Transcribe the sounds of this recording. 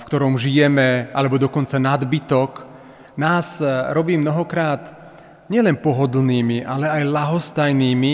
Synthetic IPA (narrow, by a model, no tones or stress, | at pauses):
fkt̪ɔɾɔmʒijɛmɛa̰lɛbɔd̪ɔkɔnt͡sanad̪bit̪ɔk | naːzɾɔbiːmnɔɦɔkɾaːt̪ | ɲɪɛlɛnpɔɦɔd̪lniːmiʔalɛajlaɦɔst̪ajniːmi